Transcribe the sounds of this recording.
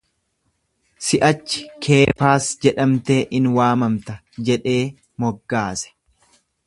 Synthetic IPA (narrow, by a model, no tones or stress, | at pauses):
sɪʔɐt͡ʃːɪ̥kʰe̞ːfaːsd͡ʒɛᶑɐmt̪eːʔɪnwaːmɐmt̪ɐ | d͡ʒɛᶑe̞ː | mɔɡːaːsɛ̥